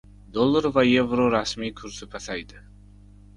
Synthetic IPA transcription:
d̪olˠːaɾvaje̞vɾoɾasmijkʰʊɾsɪpʰasajd̪ɪ

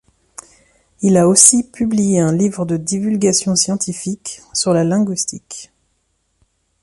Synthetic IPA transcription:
ilaosipyblijeɛ̃livʁəd̪əd̪ivylɡʲasjɔ̃sjɑ̃t̪ifiksyʁlalɛ̃ɡwɥist̪ik

